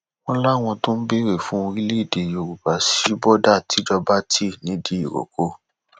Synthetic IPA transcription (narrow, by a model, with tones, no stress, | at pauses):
w̃ɔ̃˦la˦˨w̃ɔ̃˧to˦n̩˦be˦ɾe˦˨fũ˨˦˧ɾi˦le˦i˦˨de˨jo˨ɾu˨ba˨si˨˦bɔ˦da˦˨ti˨˦d͡ʒɔ˧ba˦tʰi˦˨nĩ˨˦di˦i˨ɾo̰˨ko˦